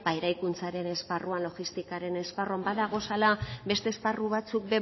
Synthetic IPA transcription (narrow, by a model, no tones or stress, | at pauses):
baeɾajkunt͡saɾe̞ne̞sparuanlo̞ɣist̪ikaɾe̞ne̞sparuambaðaɣ̞o̞salabe̞st̪e̞ːsparuβ̞at͡suk̚be̞